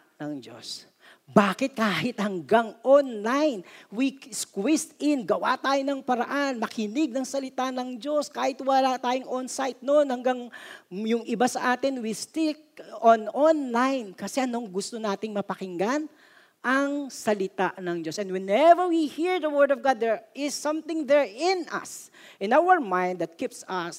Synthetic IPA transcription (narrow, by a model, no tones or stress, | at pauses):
nɐŋd͡ʒo̰s | baːkɪt̪̚kaːhɪt̪hɐŋɡaŋʔonlajnwiskwist̪ɪnɡɐwa̰t̪aːjonɐŋpɐɾɐʔanmɐkʰɪnɪɡ̚nɐŋsɐlɪt̪anɐŋd͡ʒo̞skaːhɪt̪wɐlat̪aːjoŋʔonsajt̪̚nonhɐŋɡaŋjʊŋʔɪbasɐʔaːt̪ɪnwist̪ɪk̚ononlajnkɐsɛʔɐnoŋɡʊst̪o̞naːt̪ɪŋmɐpɐkɪŋɡan | ʔɐŋsɐlɪt̪aʔnɐŋd͡ʒo̞sɛ̃nd̪wɛnɛvəɹwihiɹd̪ɐwɜɹd̪ɔvɡad̪̚ːɛɹɪsːɐ̃mθɪ̃ŋd̪ɛɹɪ̃nʔɐ̰s | ʔɪ̃nawəɹmãj̃nd̪ɐt̪̚kipsɐs